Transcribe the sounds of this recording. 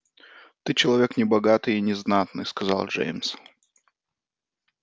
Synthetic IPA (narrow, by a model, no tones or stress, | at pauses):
t̪ɨt͡ɕɪlˠɐvʲe̞knʲɪbɐɡat̪ɨjɪnʲɪznat̪nɨ̰jskɐza̰lˠʐḛjms